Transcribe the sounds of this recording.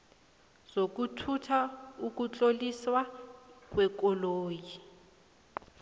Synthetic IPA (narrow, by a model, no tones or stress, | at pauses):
z̥ok̬utʰutʰauk̬ʼut͡ɬʼoliswak̬wɛkʼɔloːji